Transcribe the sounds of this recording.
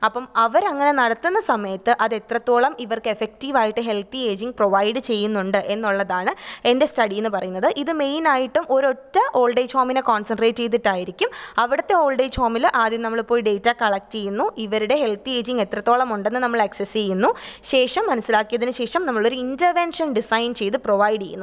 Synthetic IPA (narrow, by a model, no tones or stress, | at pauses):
ɐpːɐmɐʋɐɾɐŋːɐne̞nɐɽɐt̪ːunːɐsɐmɐjɐt̪ːɨʔɐðe̞t̪rɐt̪ːo̞ːɭɐmiʋɐrkɨefek̚tiːʋaːjiʈːɨɦe̞lt̪ie̞ːd͡ʑiŋɡ̚proʋɐjɖɨt͡ɕe̞jːunːuɳɖɨʔe̞nːuɭːɐðaːɳɨe̞nde̞stɐɽijenːɨpɐrɐjunːɐðɨʔiðɨme̞jnaːjiʈːumʔo̞ɾo̞tːɐʔo̞ːɭɖejt͡ɕʰoːminekoːnsɐɳɖreːʈːejt̪ːiʈːaːjiɾikʲːumɐʋiɽɐt̪ːe̞o̞ːɭɖejt͡ɕʰoːmilʔaːd̪jɐmnɐmːɐɭpːoːjɖe̞jtːɐkɐɭɐk̚tːejunːuʔiʋɐɾuɽe̞ɦe̞lt̪ie̞ːd͡ʑiŋɡe̞t̪rɐt̪ːo̞ːɭɐmuɳɖe̞nːɨnɐmːɐɭɐksest͡ɕe̞jːunːuɕe̞ːʂɐmːɐnɐsːilaːkːijɐðinɨɕe̞ːʂɐmnɐmːɐɭo̞ɾuindɐrʋenʂɐnɖisɐjnt͡ɕe̞jt̪ːɨproʋɐjɖejːunːu